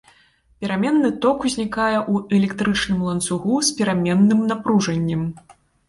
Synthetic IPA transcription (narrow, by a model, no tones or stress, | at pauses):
pʲɛɾamʲɛnːɨt̪ɔkuzʲnʲikajɛʔuʔɛlʲɛkt̪ɾɨt͡ʂnɨmlˠɐnt̪suɣuspʲɛɾamʲɛnːɨmnapɾuʐɐnʲːɐm